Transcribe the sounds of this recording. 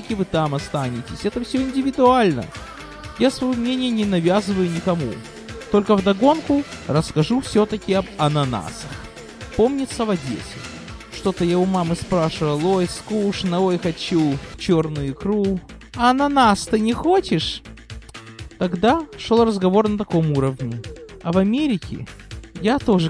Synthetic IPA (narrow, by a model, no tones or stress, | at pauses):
əkʲɪvɨt̪amɐst̪anʲɪtʲɪsʲɛt̪əfsʲɵɪnʲdʲɪvʲɪd̪ʊalʲnə̰ | jasvɐjomnʲenʲɪjənʲɪnɐvʲazɨvəjʊnʲɪkɐmṵ | t̪o̞lʲkəvd̪ɐɡo̞nkʊrəskɐʐufsʲot̪əkʲɪɐbɐnɐna̰səx | po̞mnʲɪt̪sːəvɐdʲḛsʲɪ | ʂt̪o̞t̪əjɪvomamɨspɾaʂɨvəlˠojskuʂnɐojxɐt͡ɕut͡ɕo̞rnʊjʊʊkɾu | ɐɐnɐnast̪ɨnʲɪxot͡ɕɪʂ | t̪ɐɡd̪aʂolˠrəzɡɐvo̞rnət̪ɐko̞muɾəvnʲɪɐvɐmʲeɾʲɪkʲʰɪ̰jat̪o̞ʐɨ